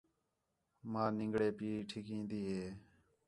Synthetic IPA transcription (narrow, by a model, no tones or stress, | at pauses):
mãːnɪ̃ŋɡɽeːpiːʈʰɪkĩːnd̪iːɦeː